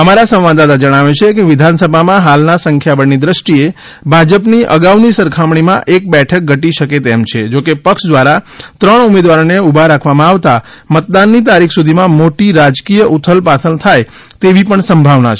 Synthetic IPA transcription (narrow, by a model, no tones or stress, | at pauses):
əmaɾasə̃ʋʋad̪at̪ad͡ʒəɽ̃aʋet͡ʃʰekeʋɪd̪ʱansəbʱamãɦalnasəŋkʰjabəɳnid̪ɾəʃʈie | bʱad͡ʒəpniʔə̰ɡaʋnisəɾkʰamɳ̃imã̰ʔek̚bɛʈʰək̚ɡʱəʈiʃəket̪ɛmt͡ʃʰed͡ʒokepəkʃd̪ʋaɾat̪ɾəɳumed̪ʋaɾneubʱaɾakʰʋamãaʋt̪a | mət̪̚d̪anːit̪aɾikʰsud̪ʱimãmoʈiɾad͡ʒkijəʔut̪ʰəlpat̪ʰənt̪ʰaj | t̪eʋipəɳsəmbʱaʋnat͡ʃʰ